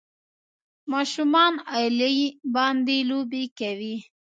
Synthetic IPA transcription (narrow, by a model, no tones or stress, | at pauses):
mɑʃumɑnɑjlajbɑnd̪elobekawi